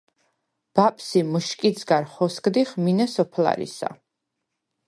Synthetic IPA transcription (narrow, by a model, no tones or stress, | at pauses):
b̥apʼʰsimuʃkʼid̪sɡaɾχɔskʼd̪iχminɛsɔpʰla̰ɾḭsa̰